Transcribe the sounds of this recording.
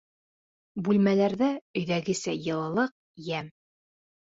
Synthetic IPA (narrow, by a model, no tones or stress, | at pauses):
bʉlmælæɾðæɵ̆jðæɡɘ̆sæjɤ̆lˠɤ̆lˠɤq̚ | jæm